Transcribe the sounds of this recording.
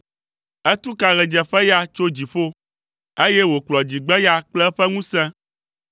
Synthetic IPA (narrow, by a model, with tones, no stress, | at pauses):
ɛ˦t̪u˦ka˨ɣɛ˨d͡ʒɛ˨ɸɛ˦ja˦t͡ʃo˦d͡ʑi˨ɸo˦ | e˦jɛ˦wo˨k͡plɔ˨d͡ʑi˨ɡ͡bɛ˦ja˦k͡plɛ˦ɸɛ˦ŋũ˦sɛ̃˦